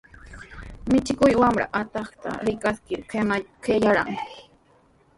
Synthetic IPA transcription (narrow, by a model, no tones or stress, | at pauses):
mɪt͡ʃɪkʊjwamɾa̰ʔat̪ɑχt̪a̰ɾɪkaskɪɾkʰemakʰejaɾa̰ŋ